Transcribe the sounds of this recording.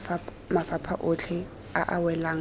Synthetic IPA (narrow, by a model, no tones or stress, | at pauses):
mafapʰaʔʊt͡ɬʰɛ | a̰ʔawɛlaːŋ